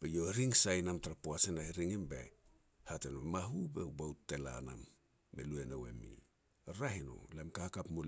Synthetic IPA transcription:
bejo̞ɾiŋsajnamtaɾapoasenaiɾiŋimbe̞̰ | hatenomaɦube̞ubawtːe̞la̰na̰mː | ḛlue̞nowe̞̰mḭ | ɾaɦino̞̰lamkahkapmul

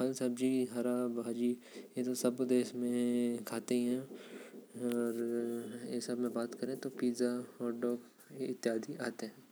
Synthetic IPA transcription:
xɐlsɐb̚d͡ʒiːɦɐɾaːbaːd͡ʒiː | jet̪osɐbd̪eːʃmẽkʰaːt̪eɦɛ̃ | ɔːɾjḛsɐbmẽbaːt̪kɐɾẽt̪opiːzaɔːɾɖɔːk | ɪt̪ːɪɦaːd̪ʱiaːt̪eɦɛ̃ː

